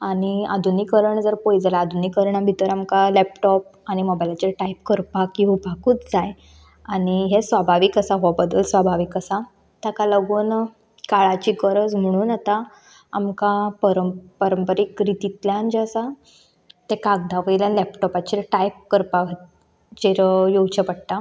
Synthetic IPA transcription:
aɽ̃ia̰d̪ʱunikəɾəɳd͡zəɾpojd͡zalaad̪ʱunikəɾɳabʱit̪əɾamkalɛp̚ʈɔp̚añimɔbajlat͡ɕeɾʈajp̚kəɾpakiɦupakuːt͡sd͡zaj | aɽ̃iɦesʋabʱaʋikasaɦɔbəd̪ːəlsʋabʱaʋikəsa | t̪akaləɡuːn | kaɭat͡ɕikəɾət͡sm̤əɽ̃uːnat̪aː | mkapəɾəmpəɾəmpəɾikɾit̪it̪ljãnd͡ʑsa | t̪ekaɡ̚d̪aʋəjljanlɛpʈɔpat͡ɕiɾʈajp̚kəɾpak̪ | t͡ɕeɾjowt͡ɕəpəɽt̪a

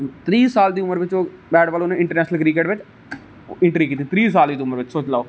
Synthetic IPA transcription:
t̪ɾiːsaːld̪iːʊməɾʋɪt͡ʃoːbɛːɖʋaːloːnẽːɪ̃ɳʈəɾnɛːʃnəlkɾikeːʈʋɪt͡ʃː | ɪ̃ɳʈɾiːkiːt̪it̪ɾiːs̬aːld̪iːd̪iːʊməɾʋɪt͡ʃsoːt͡ʃlaːoː

